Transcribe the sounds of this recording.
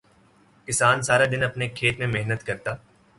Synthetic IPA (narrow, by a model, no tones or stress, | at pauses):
kɪsaːnsaːɾad̪ɪnɐpnekʰeːt̪mẽmeɦnət̪kɐɾt̪aː